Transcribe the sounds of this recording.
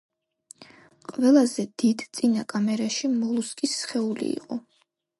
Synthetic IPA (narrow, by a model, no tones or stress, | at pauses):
qʼvɛlˠazɛd̪id̪t̪sʼinakʼamɛɾaʃimɔlˠuskʼisχɛulḭḭqʼɔ